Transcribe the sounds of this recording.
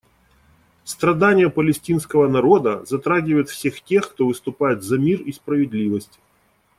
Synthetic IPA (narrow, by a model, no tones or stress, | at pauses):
st̪ɾɐd̪anʲɪjəpəlʲɪsʲtʲinskəvənɐɾo̞d̪əzɐt̪ɾaɡʲɪvəjɪt̪fsʲe̞xtʲe̞xkt̪o̞vɨst̪ʊpajɪt̪zɐmʲirispɾəvʲɪd̪ʲlʲivəsʲtʲɪ̥